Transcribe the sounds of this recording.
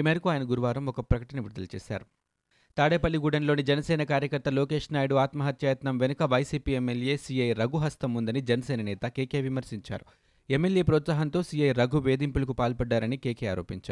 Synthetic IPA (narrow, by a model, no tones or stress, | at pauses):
iːmeːɾɐkuaːjɐnɐɡuɾuʋaːɾɐmɔkɐpɾɐkɐʈɐnɐʋiɾud̪ɐlɐt͡ʃɛ̰ːsa̰ːɾu | t̪aːɽeːpɐlːiɡuːɽɐnlo̞ːnid͡ʒɐnɐsɛːnɐkaːɾjɐkɐɾt̪ɐloːke̞ːʂnaːjɽuaːt̪mɐɦɐt̪jajɐt̪nɐmʋenɐkɐʋɐjsiːpiːemːelje̞ːsiːɐjɾɐɡuɦɐst̪ɐmːund̪ɐnid͡ʒɛnɐsɛːnɐnɛːt̪ɐkeːkeːʋimɐɾsiɲt͡ʃa̰ːɾu | emːelje̞ːpɾɔːt̪saːɦɐnt̪o̞ːsijɐjɾɐɡuʋeːd̪impulɐkupaːlpɐɖːaːɾɐnikeːkeːaːɾo̞ːpiɲt͡ʃaːɾu